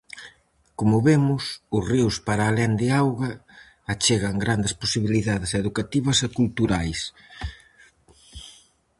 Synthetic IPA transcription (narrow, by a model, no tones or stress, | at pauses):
komʊβemʊsʊsriwspaɾaːlɛnd̪ɪawɣɐː | t͡ʃeɣɐŋɡɾand̪ɪsposiβiliðaðɪseðukat̪iβɐsekult̪uɾajs